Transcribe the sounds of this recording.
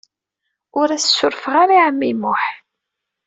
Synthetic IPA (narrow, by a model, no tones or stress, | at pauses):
ʊɾæssːʊɾfʁaɾiʕəmːimʊħ